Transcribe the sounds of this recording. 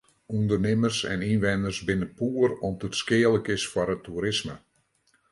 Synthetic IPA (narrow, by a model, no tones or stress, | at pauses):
undərnɪmərsɛ̰ninʋɛndərsbɪnəpuərɔmətskɪələkɪsfɔɾətʰːuɾɪsmə